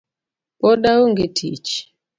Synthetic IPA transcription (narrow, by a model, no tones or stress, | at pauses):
pɔdawoŋɡetʰit͡ʃ